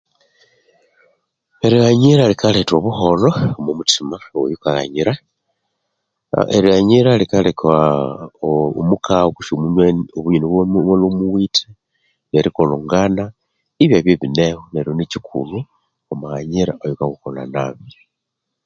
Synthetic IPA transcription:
eɾiaɲiɾalikʰaletwoβuholoomumutʰimawojukala̰ɲiɾa | ḛɾiaɲiɾalikalekʰa | omukʰaoku̥ʃomuɲweoβuɲiniββolumuwitʰe | neɾikoloŋɡana | iβjaβjeβinehoneɾionicikʰṵlu | omahaɲiɾa̰ʔojukakukola̰naβjo

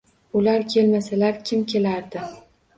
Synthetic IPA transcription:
ʊlaɾkʲʰe̞lmasalaɾkʲʰɪmkʲʰe̞laɾd̪ɪ

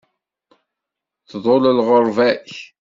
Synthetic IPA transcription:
θðˤoləlʁoɾˤvæç

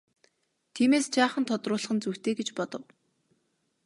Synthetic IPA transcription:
t̪ʰiːmeːst͡ɕaːχə̆nt̪ʰɔt̪rʊːɮ̆χə̆nt͡suwt̪ʰeːɡet͡ɕpɔt̪ɞ̆w

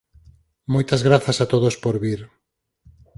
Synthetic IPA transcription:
mojt̪azɣɾaθɐsat̪oðospoɾβiɾ

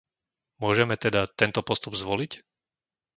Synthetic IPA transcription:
mʊɔʒɛmɛt̪ɛd̪at̪ɛnt̪ɔpɔst̪ubzʋɔlic

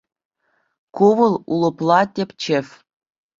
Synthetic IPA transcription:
kuʋɤ̆lˠulˠɤ̆plˠɑtʲepʲt͡ɕĕfʲ

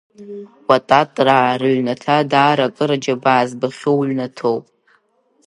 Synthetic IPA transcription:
watʼatʼrarɨɥʷnatʰadaːɾakʼɨɾad͡ʒabaːzbaχʲowɥnatʰowpʼ

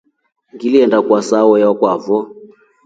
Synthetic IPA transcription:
ŋɡiliɛndakwasawɔjakwavɔ

